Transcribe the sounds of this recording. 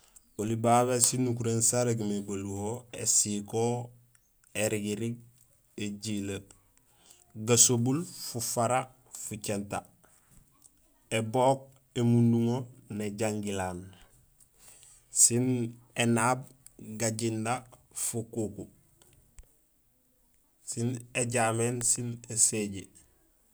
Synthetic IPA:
olibaːɡasinːukuɾensaɾeɡimeɡoluwoesiko | eɾiɡiɾiɡ̚ | eɟile | ɡasobulfufaɾa | fucenta | eboːk̚ | emunduŋoneɟaŋɡilaːn | sinenaːb̚ | ɡaɟinda | fukuku | sineɟaːmeːnsineseɟe

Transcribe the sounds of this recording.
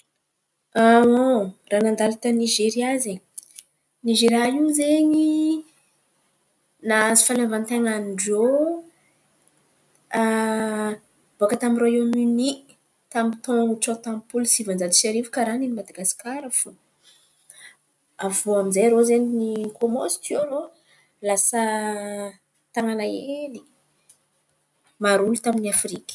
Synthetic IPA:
aoranand̪alat̪əniʒeɾiaze | niʒeɾaizeɲi | nazi̥falavant̪eŋanɖ͡ʐo | a | boakət̪amiɾajomyni | t̪amit̪õŋuʈ͡ʂot̪ãmpulsivand͡ʒad̪i̥ʃeɾivukaɾaninimad̪aɡasi̥kaɾafu | avuamizajaɾozeninikomosi̥t̪iaɾo | lasə | t̪aŋanaeeli | maɾulut̪aminiafɾikʲə̥

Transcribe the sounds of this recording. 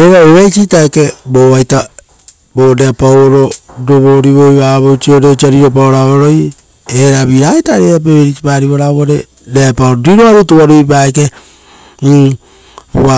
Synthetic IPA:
eɾaeβejt͡ʃitaekeboβajta | boɾeapawoɾodoβoɾiβojβaβowt͡ʃioɾet͡ʃiaɾiɾop̬aoɾaoɾoj | eɾaβiɾaetaɾeɾap̬eβeɾit͡ʃipaɾiβoɾaβoɾe | ɾeapaoɾoɾiɾoaɾutoβaɾujpaeke | βa

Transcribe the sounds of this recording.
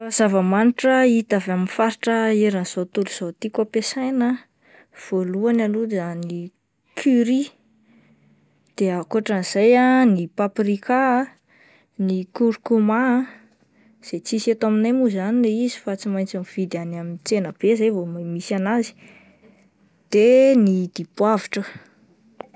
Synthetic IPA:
azavəmaniʈ͡ʂəit̪avaminfaɾiʈ͡ʂəeɾanz̥ot̪uluz̥ot̪ikapesajnə | v̥oluanalud̪ani | kʰyɾi | d̪̥eakuaʈ͡ʂaniz̥ajanipaprika | nikuɾukuma | z̥et͡siset̪aminamuzanileizifat͡simajnt͡saniv̥id̪anamint͡senəb̥ezejvomamisanazi̥ | d̪̥enid̪̥ipwaviʈ͡ʂə

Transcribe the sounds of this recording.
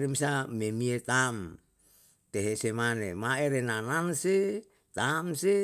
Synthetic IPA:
ɾemisamemiet̪am | t̪eɦesemanemaeɾenananse | t̪amse

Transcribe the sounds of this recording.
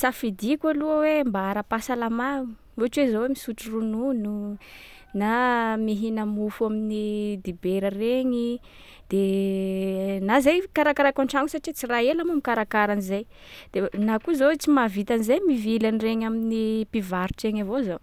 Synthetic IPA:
safid̪ikʲaluəwembaaɾapasalamau̥ | uaʈ͡ʂuwezowemisuʈ͡ʂurununu | namiɦinəmufuaminid̪ibeɾəreɲi | d̪̥e | nazajkaɾakaɾakaɳʈ͡ʂaŋusaʈ͡ʂit͡siraelamamikaɾakaɾanizajd̪̥enakuzot͡simavit̪anizajmivilanireɲaminipivaɾuʈ͡ʂeŋavozo

